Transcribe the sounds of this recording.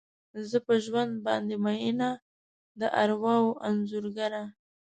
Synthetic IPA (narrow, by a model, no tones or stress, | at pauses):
zəpəʒwand̪̚bɑ̰nd̪emajina | d̪əʔaɾwɑwʔanzuɾɡaɾa